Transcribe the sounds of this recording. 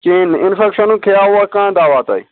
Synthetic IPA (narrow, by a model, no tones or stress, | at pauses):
t͡ʃeːnɪnfekʃənũkʰeːaːɦuakãːd̪aːʋaːt̪a̰iː